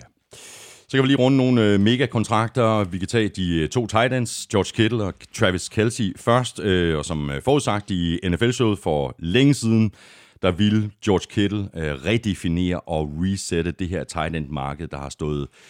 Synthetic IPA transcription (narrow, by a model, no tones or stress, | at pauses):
sɒ̽kʰæʋiliːʁɔ̽nəno̝ːn̩me̝ːɡ̥ækʰɒ̽nt͡sʰʁɑ̈ɡ̥̚d̥ɐʋikʰæt͡sʰɛ̰ːd̥it͡sʰo̝̰ːt͡sʰɑ̈ɪlænsd̥jɒːd̥kʰed̥l̩ɒt͡sʰʁæʋiskʰelsifɶɐsd̥ɒsɒ̽mfɒːuðˠsɑ̈ɡ̥̚d̥ienefelɕoð̩ˠfɒ̽leŋəsiːð̞ˠn̩ | d̥ɑ̈ʋild̥jɒ̰ːd̥kʰed̥l̩ʁɛd̥e̝fine̝̰ːɐʔɒ̽ʁiseɾ̥əd̥e̝ɦeɐ̰t͡sʰɑ̈ɪlænd̥mɑ̈ːɡ̥əð̞̩ˠd̥ɑ̈hɑ̈sd̥ɔ̰̽ːð̩ˠ